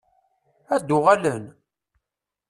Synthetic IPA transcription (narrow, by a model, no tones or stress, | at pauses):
æd̪ʊʁalən